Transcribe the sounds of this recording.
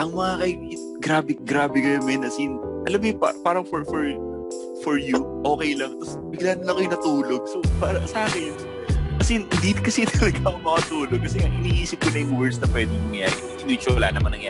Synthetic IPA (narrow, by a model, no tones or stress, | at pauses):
ʔɐŋmɐŋakɐjɪɡɾaːbɪɡɾaːbɛɡɐjonmɪnɐsɪnʔɐlamjʊpapaːɾɐŋfoɹfɔɹ | fɔɹjuʔo̞ːkɛjlɐŋt̪ɐs | bɪɡlanɐlɐkojʊŋnɐt̪uːloɡ̚sopaːɾɐ̰saːkɛn | ʔɐsɪnhɪnd̪ikɐsit̪ɐlɐɡakomɐkɐt̪uːloɡ̚kːɐsɛŋaʔɪniːʔiːsɪp̚konɐjʊŋwɛɹsnɐpwɛːd̪ɪnɐŋɐja̰ːɾɪ | ɪnit͡ʃʊɐla̰ːnɐmanɐŋjaː